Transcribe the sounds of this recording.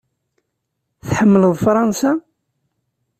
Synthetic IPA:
θħəmːələðˤfɾˤɑnsa

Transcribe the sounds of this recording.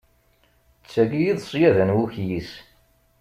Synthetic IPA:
t͡sːæɡijiðˤsˤjæðænwuçjis

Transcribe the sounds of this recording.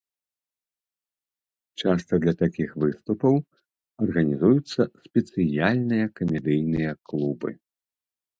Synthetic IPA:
t͡ʂast̪ɐd̪lʲɐt̪akʲixvɨst̪upɐw | ɐrɣɐnʲizujut̪sːɐsʲpʲɛt̪sɨjalʲnɨjɐkɐmʲɛd̪ɨjnɨjɐklˠubɨ̰

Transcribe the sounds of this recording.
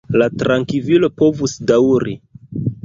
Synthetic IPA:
latɾaŋkivilo̞po̞vusdawɾi

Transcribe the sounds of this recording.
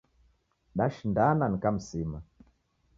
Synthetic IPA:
ɗaʃindananikam̩sima

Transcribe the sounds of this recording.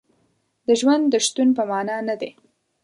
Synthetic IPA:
d̪əʒwand̪ːəʃt̪unpəmɑnɑnad̪e

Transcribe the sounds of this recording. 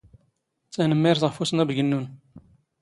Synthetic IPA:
t͡sːænəmːiɾθʁəfusənæbʝənːun

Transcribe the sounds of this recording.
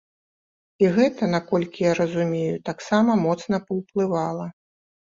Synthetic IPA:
iɣɛt̪ɐnakɔlʲkʲijaɾɐzumʲejut̪aksamɐmɔt̪sn̪ɐpɐwplˠɨvalˠɐ

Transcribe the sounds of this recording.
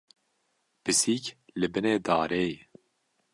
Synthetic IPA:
b̥ɨsiːklɨbɨneːd̪aːɾej

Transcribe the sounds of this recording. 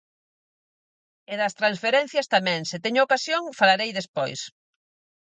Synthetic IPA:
eðɐst̪ɾansfeɾɛn̟θjɐst̪amɛ̃ŋsɪt̪ɛɲookasjoŋfalaɾejðespojs

